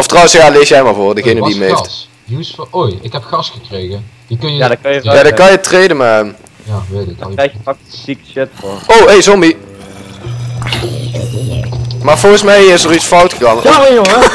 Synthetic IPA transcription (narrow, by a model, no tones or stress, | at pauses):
ɔftrɑwənsjaːlejsjɛjmaːlˠvʊːrdəɣejnədiəmejft | usfojɪkɛpxɑsxəkrejɣə | ikənjədkjaːdəkɑnjətrejdəmaəm | jaetɪɛjəɑsikʃɪtfoowejzɔmbi | maːɹvɔlˠɣəsmɛjɪsəʁitsfɑwtəɣɑnajoŋə